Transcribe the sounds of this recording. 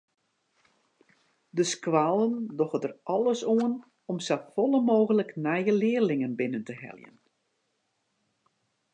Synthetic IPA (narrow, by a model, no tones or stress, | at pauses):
dəskʋaːlˠəndɔxətərɑlˠəsoən | ɔmsafɔlˠəmoːɣələknɛjəlɪərlɪŋənbɪnəntəhɛ̰ljə̰n